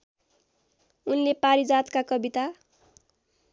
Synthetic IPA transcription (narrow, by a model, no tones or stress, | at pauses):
unlepaɾid͡zat̪kakʌbit̪a